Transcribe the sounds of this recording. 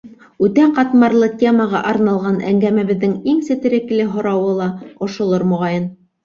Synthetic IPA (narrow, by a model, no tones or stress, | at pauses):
ʉt̪æqɑt̪mɑɾlˠɤtʲeməʁɑʔɑɾnɑlˠʁɑnʔæ̰ŋɡæmæβɘ̆ðːɘŋiŋsɘ̆t̪ɘ̆ɾɘ̆klɘɦŏɾɑwɤlˠɑŏʃŏlˠoɾmŏʁɑjɤn